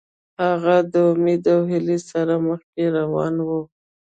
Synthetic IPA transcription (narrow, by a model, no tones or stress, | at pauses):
haɣad̪əʊmed̪awɦɪlesaɾaməxkeɾawɑnwə